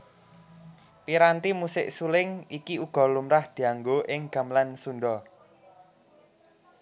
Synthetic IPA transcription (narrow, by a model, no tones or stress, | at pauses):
piɾant̪imusɪʔsulɪŋikiuɡ̥ɔ̤lumɾahd̪̥i̤aŋɡoʔɪŋɡ̥a̤mlansunɖɔ